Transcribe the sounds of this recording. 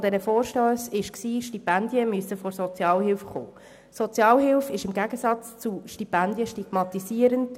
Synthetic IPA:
d̥ɛnəfoːɾʃtøːsɪʃksiːʃtipændjəmyəsːəfɔɾsɔt͡sjɑːlɦɪlfχo̰ː | sɔt͡sjɑːlɦɪlfɪʃɪmɡæɡ̥əsɑt͡st͡suʃtipændjəʃtiɡ̥mɑt̪isiəɾənt

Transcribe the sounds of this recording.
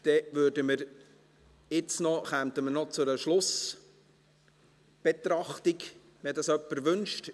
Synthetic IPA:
d̥ɛʋøːɾdəməɾ | ɪt͡snɔχæmt̪əmənɔt͡sʊɾəʃlʊs | b̥et̪ɾɑχt̪iɡ | ʋɛdɑsœpːəɾʋɵnʃt

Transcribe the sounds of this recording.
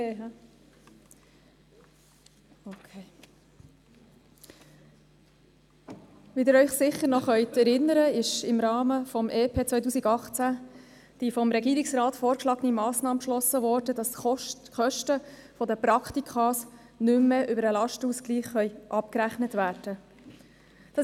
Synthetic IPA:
okʰe | ʋidɪɾœʏχsɪχːəɾnɔχœʏt̪ɛɾɪnːəɾəɪʃɪmɾɑːməfɔmʔeːpʰeːt͡sʋœʏt̬uːsiɡɑχt͡sæ | d̥ifɔmɾɛɡiːɾɪksrɑːtfoːɾkʃlɑːɡənimɑːsnɑːməpʃlɔsːəʋɔːɾdədɑsχœʃtəfɔd̪əpɾɑkχt̪ikʰχɑːs | nʏmːeʔʏbəɾəlɑʃtəuskliːχχœʏʔɑpkɾæχnətvæːd̥ə | d̥ɑ

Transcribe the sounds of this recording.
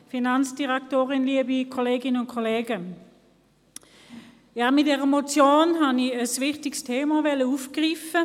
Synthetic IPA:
finant͡sd̥iʁɛk̚toːʁɪnliəbikʰoleːɡɪnəʊnkʰoleːɡə | jaːmɪt̚dɛːʁəmot͡sjoːnɦaniəsvɪχtɪkstʰeːmavɛləuːfɡ̥ʁiːfə

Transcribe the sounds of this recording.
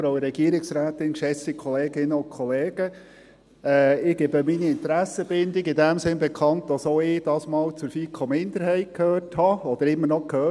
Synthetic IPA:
ɾoʊɾɛɡ̥iəɾɪksɾæːtɪnʃɛsikχɔleːɡɪnːəʊnkʰɔleːɡ̥ə | ɛːɪːɡeːbəminiɪnt̪əɾæsəbɪndɪɡɪdæmsɪnbɛkʰɑnt̚d̥ɑsoɪːd̥ɑːsmɑːlt͡sʊɾfiːkʰomɪnd̪əɾɦɛɪtkʰhøːthɑɔd̪əɾɪmːənɔkʰhøː

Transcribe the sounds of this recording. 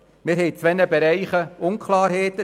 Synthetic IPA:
mɪɾɦɛjt͡sʋɛnəbɛɾɛɪχəʊnkʰlɑːɾheːt̪ə

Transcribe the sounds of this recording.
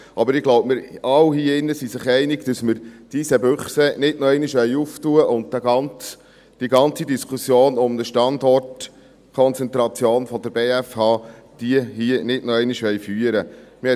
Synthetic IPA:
ʔɑbəɾɪɡ̥loʊbmɪɾɑwhiːɪnːəsisɪχɛɪnɪɡ̥d̥əsməɾd̥isəbøχsɛnɪdnɔɛɪniʃʋɛjuːftuəʔʊnddæɡɑnt͡s | d̥iɡɑnt͡sidiskʰusjoːnʊmnəʃtɑndɔrt | kʰɔnt͡sɛnt̪ɾɑt͡sjoːnfɔd̥̪əɾb̥eːæfhɑːd̥iəɦiənɪdnɔɛɪniʃʋɛjfyːəɾəmɪɛ

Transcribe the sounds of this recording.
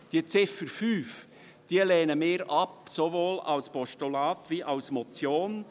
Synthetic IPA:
d̥iət͡sɪfəɾfyːf | d̥iəlɛːnəmeːɾɑpsovoːlɑ̰lspɔʃtolɑːt̪ʋiʔɑʊsmɔt͡sjoːn

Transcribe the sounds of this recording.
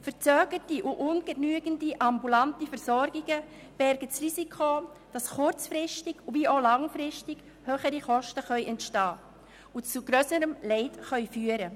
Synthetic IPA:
fəɾt͡søːɡətiʔʊʔʊnɡ̥ənyəɡəndiʔɑmbulantifɛɾsɔɾɡɪɡə | b̥ɛɾɡətsrisikʰo | d̥ɑsχʊɾt͡sfɾɪʃtɪɡ̥uviːʔoːlɑŋfɾɪʃtɪɡ̥ | høːχəɾiχɔʃtəχœʏʔɛntʃtɑː | ʊt͡suɡ̥ɾøsəɾəmlɛɪtχœʏfyːəɾə

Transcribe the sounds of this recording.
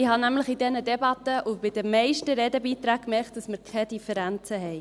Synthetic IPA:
ɪhɑnæmləχidɛnədɛbɑt̪ːəʔub̥ɪd̥əmɛɪʃtəɾɛːdəbiːt̪ɾæːkkːmɛkt̚d̥ɑsməɾkʰɛdifəɾænt͡səɦɛɪ

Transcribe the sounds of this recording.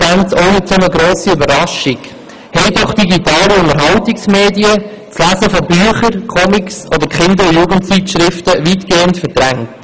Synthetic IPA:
bænsoʊnɪt͡sʊməɡɾoːsiybəɾɑʃɪɡ | hɛɪdɔχd̥iɡitɑːliʊŋəɾɦɑwtɪksmeːdiə | t͡slæzəfɔbyːχəɾkʰɔmɪksʔɔd̪əɾkχɪnd̪əɾʊjuːɡəntt͡sitʃɾɪftəʋiːtɡ̥eːəntfəɾd̥ɾæŋt

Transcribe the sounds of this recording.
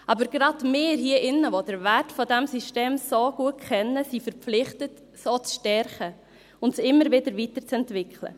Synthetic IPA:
ʔɑbəɾɡ̥ɾɑdmeːɦiəʔɪnːəvod̥əɾvæɾtfɔdɛmsiʃteːmsoɡ̥uət̚kχɛnːəsifəɾlɪχtət | sot͡sʃtɛɾχə | ʊntsɪmːəɾvɪdəɾvitəɾt͡sɛntvɪkχlə̰

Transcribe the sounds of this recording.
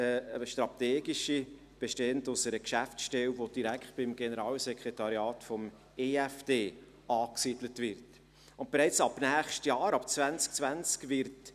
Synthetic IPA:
ʃtɾɑteːɡiʃi | b̥eʃteːəntʊsəɾəkʃæftsʃtɛwʋod̥iɾækχt̚b̥ɪmɡ̥enəɾɑːlsɛkʰɾetɑɾjɑːtfɔm | eæfd̥eː | ɑːksiːd̥lətvɪɾt | ʊnt̚b̥eɾɛɪt͡sɑbnæːχʃtjɑːɾɑp̚t͡svænt͡sk̚t͡svænt͡skvɪɾt

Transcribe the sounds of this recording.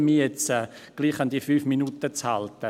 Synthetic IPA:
miːjɛt͡sɛː | ɡ̥liːχandiəfyːfminutət͡shaltə

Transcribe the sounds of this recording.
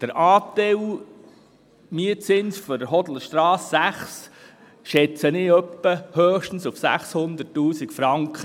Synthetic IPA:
d̥əɾʔɑːt̪ɛw | miət͡sɪnsfɔdəɾɦɔd̪l̩əʃt̪ɾɑːsːæχs | ʃɛt͡sənɪœpːəhøːχʃtən̩sufsæ̰χshʊnd̪ətːuːsikfɾɑŋkχə

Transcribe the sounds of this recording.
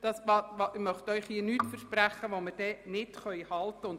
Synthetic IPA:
d̥ɑsɑɑmœχt̪œʏχhiənyːtfəɾʃpɾæχəʋomɪɾd̥ɛnɪtχœʏhɑlt̪ːəʊnd

